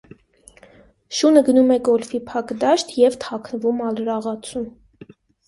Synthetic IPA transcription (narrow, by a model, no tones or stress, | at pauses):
ʃunəɡənumɛɡɔlfipʰɑkd̪ɑʃt̪ʰjɛvt̪ʰɑkʰnəvumɑlɾɑʁɑt͡sʰum